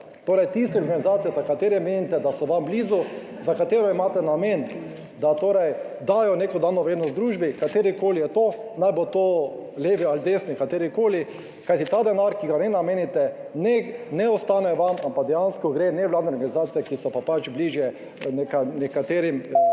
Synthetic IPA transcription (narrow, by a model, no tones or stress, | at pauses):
t̪oːɾɛjt̪ist̪ɛɔɾɡanizaːt̪sijɛzakat̪eːɾɛmeːnit̪ɛd̪asɔʋambliːzu | zakat̪eːɾɔimaːt̪ɛnamen | d̪at̪oːɾɛj | d̪aːjɔnekɔd̪aːnɔʋɾeːd̪nɔzd̪ɾuːʒbikat̪eːɾikoːlijɛt̪oːnajbɔt̪oːleːʋiald̪eːsnikat̪eːɾikoːli | kajt̪it̪aːd̪ɛnaɾkiɡanɛnameːnit̪ɛnɛnɛɔst̪aːnɛʋamampaɡd̪ɛjanskɔɡɾenɛʋlaːd̪nɛɔɾɡanizaːt̪ijɛkisɔpapat͡ʃbliːʒjɛ | nɛkanɛkat̪eːɾim